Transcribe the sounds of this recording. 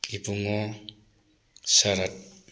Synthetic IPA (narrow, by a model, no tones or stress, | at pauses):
kipuŋɔ | saɾat̚